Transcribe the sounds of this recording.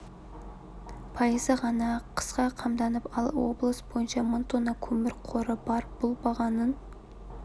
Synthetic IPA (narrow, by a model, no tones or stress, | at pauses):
pʰɑjəzəʁɑnɑqʰə̥sqɑqʰɑmd̪ɑnəpɑlˠwo̰blˠəsb̥o̞jənʃɑmʊnt̪onɑkʲʰɵmɪɾqʰoɾəbɑɾb̥ʊlˠbɑʁɑnən